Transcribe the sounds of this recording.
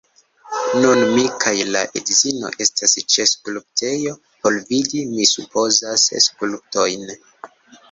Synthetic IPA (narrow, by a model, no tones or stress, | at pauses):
nunmikʰajlaʔedzino̞̰ʔe̞stʰast͡ʃe̞skulp̚tʰe̞jo̞ | po̞lvidimisupʰo̞zasskulup̚to̞jn